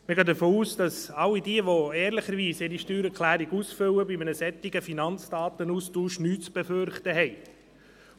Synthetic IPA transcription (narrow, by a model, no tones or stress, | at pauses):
məɡɑːd̪əfoːuːsd̥ɑsɑlːidiəʋoɛːɾləχəɾʋiːsɪɾiʃtyːɾɛɾkʰlæːɾiɡuːsfʏwəbimənəsɛt̪ːɪɡ̥əfinɑnt͡sd̥ɑːt̪ənuːstuːʃnyːtt͡sb̥ɛføɾχt̪əɦɛɪ